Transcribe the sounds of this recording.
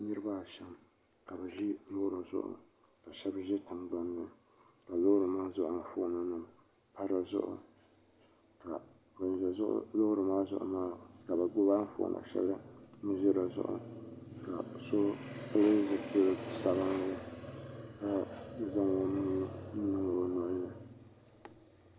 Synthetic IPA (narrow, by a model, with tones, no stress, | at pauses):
nɨ˦ɾɨ˦ba˦˨ʃɛ˦mka˨bɨ˨ʒɪ˦lo˦ɾɨ˨zʊ̰˦ʔʊ̰˨ka˨ʃɛ˦bʒɪ˦tɨ˨ŋɡ͡ba˦m˦a˨ka˨lo˦ɾɨ˨maː˦zʊ˦˨ʔʊ˨n̩˨fʊ˦na˦nɨ˨m˨ | pa˦ɾa˨zʊ̰˦ʔʊ̰˦ | ka˨ba˨n˨zɛ˨zʊ̰˦ʔʊ̰˦lo˦hɾɨ˨maː˦zʊ̰˨ʔʊ̰˨maː˦ka˨ba˨ɡʊ˦baː˦n̩˦fʊ̰˦ʔnʔa̰˨ʃɛ̰˦bɾɨ˦mɨ˦ʒɛ˦ɾa˨zʊ̰˦ʔʊ̰˨˦ka̰˨so˦o˦le˦zɨ˨po˦lo˨ɨ˨sa˦ba˦ŋ˦la˦ | ka˨˦za˦ŋ˨o˦n˦n˦nɨ˦ŋa˨wo˦nɔ˦ɾna˨